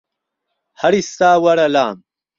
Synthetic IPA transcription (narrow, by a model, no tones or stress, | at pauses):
hɐɾist̪aːwɐɾɐlaːm